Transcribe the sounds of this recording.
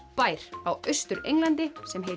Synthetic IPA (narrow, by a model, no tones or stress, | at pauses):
paːjɾ̥awœɥst̪ʏɾḛjŋlant̪ɪsɛmɦe